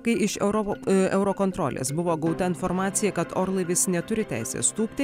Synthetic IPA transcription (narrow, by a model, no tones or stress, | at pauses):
kɐɪʔɪʃɛʊɾɔɛʊɾoːkoːnt̪ɾo̰ːlʲḛːsbʊʋoːɡɐʊt̪ɐɪnfoɾmɑːt̪sʲɪjɛkɐt̪oːɾlˠɐʋʲɪsnʲɛt̪ʊɾʲɪt̪ʲæ̰ɪsʲḛːst̪uːpʲt̪ʲɪ